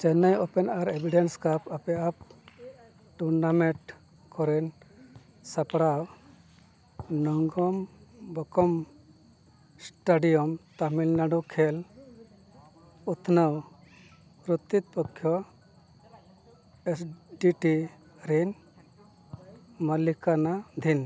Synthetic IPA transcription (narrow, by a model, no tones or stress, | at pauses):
t͡ʃɛnajɔpɛnaɾebʱiɖenskapapɛʔap̚ | ʈuɾnamɛ̃ʈ | kɔɾɛn | sapɽaw | nɔŋɡɔmbɔkɔm | sʈaɖijɔmt̪amilnaɖukʰel | ut̪ʰnəw | ɾut̪ːit̪̚pɔkʰːjɔ | esɖiʈi | ɾin | malikanad̪ʱin